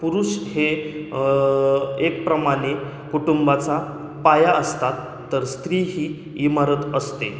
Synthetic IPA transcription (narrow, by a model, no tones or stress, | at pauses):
puɾuːɕhe | ek̚pɾəmaɽ̃e | kuʈumbat͡sa | pajaəst̪at̪ːəɾst̪ɾiːɦiː | imaɾət̪əst̪e